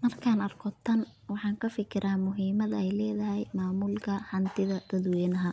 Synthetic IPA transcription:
mɐrkʰaːnɐrkʰɔt̪ʰːɐn | wɑħɑːŋkʰɐfɪkʰɪɾʔaːmʊɦiːmɐðɐɛjlɛːðɐɦɛjmaːmulkʰɐħɑnt̪ʰɪðɐd̪̥ɐðwɛːnɐɦɐ

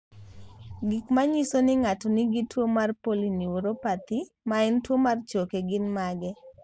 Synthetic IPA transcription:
ɡɪkmaɲisonɪŋatɔniɡitwomarpoliniwoɾopat̪i | maɛntwomart͡ʃokeɡɪnmaɡɛ

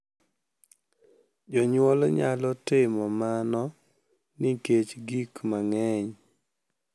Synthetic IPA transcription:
d͡ʒɔɲwɔlɲa̰lɔtɪmɔmanɔ | nɪket͡ʃɡikmaŋɛɲ

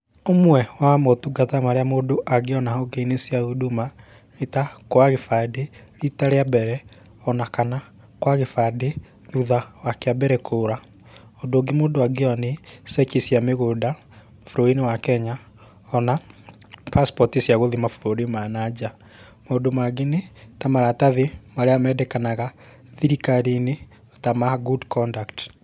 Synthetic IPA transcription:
omwɛwamotuɡatamaɾeamodoʔaɡeɔnahɔɡenesiaðuduma | ɣetakwaɣefadeɾitaɾeabɛɾɛ | ɔnakana | kwaɣefade | ðuðawakeabɛɾɛkʰoɾa | ɔdoɡemoːdoaɡeɔnesɛkisjameɣoda | fuɾoinewakɛɲa | ɔna | paspɔtisjaɣoðemafuɾoɾemanad͡ʒa | modomaɡenetamaɾataðemaɾeamɛdɛkanaɣa | ðiɾikaɾine | otamaɡudkʰɔndakt

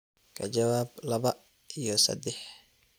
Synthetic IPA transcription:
kʰɐ̰d͡ʒɐwaːblɐβɐ | ijɔsɐ̰d̪ɛħ

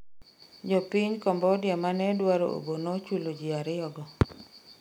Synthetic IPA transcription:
d͡ʒɔpiɲkɔmbɔdɪjɔmanɛdwaɾo̰ʔo̰bonot͡ʃulod͡ʒiaɾɪɔɡɔ

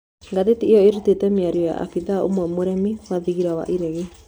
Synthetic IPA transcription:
ŋɡaðetiejɔeɾutetɛmeaɾiɔja̰ʔa̰fiðao̰mwɛmoɾɛmiwaðiɣiɾawa̰ʔiɾeɣe

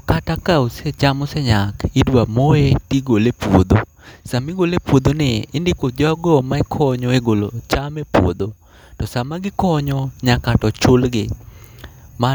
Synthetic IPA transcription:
katakauset͡ʃamɔsɛɲakɪdwamoetiɡolepwod̪o | samɪɡolepwod̪onɪɪndɪkod͡ʒɔaɡɔmaɛkʰɔɲɔeɡolot͡ʃamepwo̰d̪o | tɔsamaɡɪkɔɲɔɲakatɔt͡ʃʊlɡɪ | ma

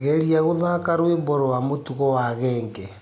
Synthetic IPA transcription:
ɣeɾiaɣuðakaɾwemboɾɔwamotuɣɔwaɣɛːŋɡe

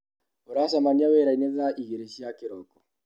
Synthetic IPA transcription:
oɾasamaniawɛɾaineðaʔiɣeɾeʃiakeɾɔkɔ

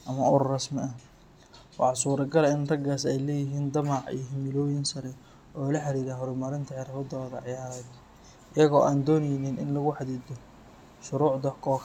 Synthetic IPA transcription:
ʔɐmɐʊɾrɐsmɪɐ | wɑħɑsuːɾɐɡɐlɪnrɐɡaːsɛjlɛːjɪɦiːnd̪ɐmɑʕḭjɦɪmɪlɔːjɪnsɐɾɛ | ɔːlɐħɑɾiːɾaːɦɔɾʊmɐɾɪnt̪ʰɐʕɛɾɐkʊd̪ɐlɐðɐʕjaːɾɛːd̪ | ʔɪjɐɣɔːʔaːnd̪ɔːnɐjɪnɪnɪnlɐɣʊħɑd̪iːd̪ɔ | ʃʊɾuːʕd̪ɐkʰɔːkʰ

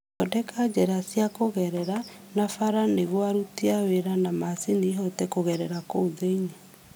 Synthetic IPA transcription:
ɔdɛkad͡ʒɛɾasjakoɣɛɾɛɾanafaɾaneɣwaɾutiaweɾanamasiniɦɔtɛkoɣɛɾɛɾakooðeiɲe

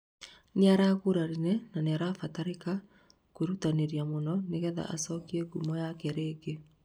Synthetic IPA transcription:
neaɾaɣoɾaɾinɛnaneaɾafataɾeka | koɾutaneɾjamonɔneɣɛða̰ʔasɔkiɛɡumɔjakɛɾeɡe

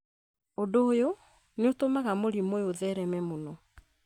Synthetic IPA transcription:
odoːjo | neotomaɣamoɾimojoðɛɾɛmɛmonɔ

